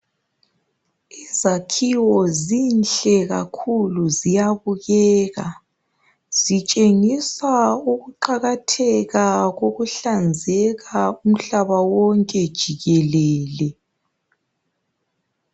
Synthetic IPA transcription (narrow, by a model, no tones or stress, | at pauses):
izakʰiwɔzinɬɛɣa̰kʰuluzijaβuɣɛːɣa | z̥it͡ʃʼeŋisauɣuǃaɣatʰɛɣaɣoɣuɬand͡zʱɛɣaum̩ɬaβawɔŋkʼɛd̥ʒ̥ʱiɣɛlɛːlɛ